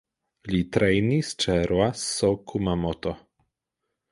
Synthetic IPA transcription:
lit̪ɾejnist͡ʃɛɾwasokʰumamɔt̪o

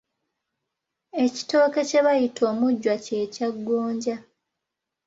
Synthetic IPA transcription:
e̞ci̥to̞ːke̞ce̞βajitʰo̞ːmuɟːwace̞ːcaɡːoːɲɟa

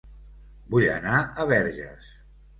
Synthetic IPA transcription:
bujə̰naəβɛɾʒə̰s

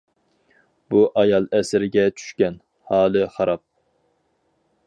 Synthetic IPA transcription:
buʔɑjɑlˠɛsɪɾɪɡʲɛt͡ʃʰy̥ʃkʲɛn | hɑːlˠɨχɑɾɑp̚

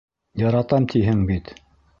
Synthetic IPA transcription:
jɑɾɑt̪ɑmt̪ʰiɦɘŋbit̪

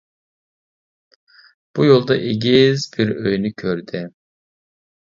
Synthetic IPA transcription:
b̥ujolˠd̪ɑʔeɡʲizbiɾøjnykʲʰøɾd̪ɪ

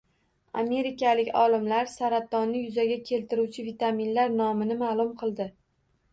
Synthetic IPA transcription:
ame̞ɾɪkʲalɪkʲɒ̰lˠɪmlaɾsaɾat̪ːɒnːɪjʊzaɡʲakʲʰe̞lt̪ɪɾuwt͡ʃʰɪvit̪aminlaɾnɒmɪnɪmalˠʊmqʰɨlˠd̪ɪ

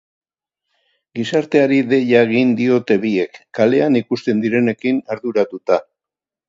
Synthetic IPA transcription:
ɡisaɾt̪e̞aɾiðe̞ʎaeɣind̪io̞t̪e̞βie̞kːale̞anikust̪e̞nd̪iɾe̞ne̞kinaɾðuɾat̪ut̪a

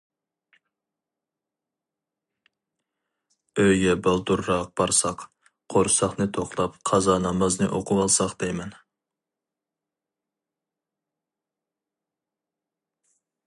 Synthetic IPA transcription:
øjɡʲɛbɑlˠd̪uɾːɑq̚b̥ɑɾsɑq | qʰoɾsɑχnɨt̪ʰoχlˠɑpqʰɑzɑnɑmɑznɨʔoqʰʊwɑlˠsɑqd̪̥ɛjmɛn

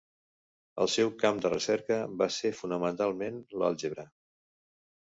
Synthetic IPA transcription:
ə̰lˠsɛwkamd̪ərəsɛɾkəbasefunəmənt̪alˠmenlə̰lˠʒeβɾə

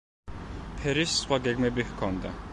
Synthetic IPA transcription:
pʰɛɾissχwaɡɛɡmɛbihkʰɔnd̪a

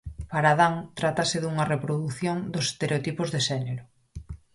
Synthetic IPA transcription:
paɾaðaŋt̪ɾat̪asɪðuŋɐrepɾoðuθjoŋd̪ʊsest̪eɾeot̪ipʊzðeʃɛneɾʊ

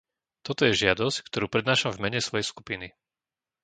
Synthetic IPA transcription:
t̪ɔt̪ɔjɛʒɪad̪ɔsckt̪ɔɾuːpɾɛd̪naːʃamvmɛɲɛsʋɔjɛjskupini

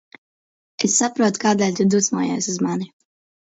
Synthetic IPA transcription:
ɛsːapɾuɔt̪kaːd̪ɛlʲt̪ud̪usmɔːjɛ̰suzmani

